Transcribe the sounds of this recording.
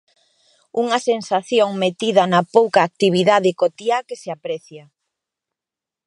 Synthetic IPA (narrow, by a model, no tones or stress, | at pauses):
uŋɐsensaθjoŋmet̪iðɐnɐpowkaːk̚t̪iβ̞iðaðɪkot̪iakeseapɾɛθjɐ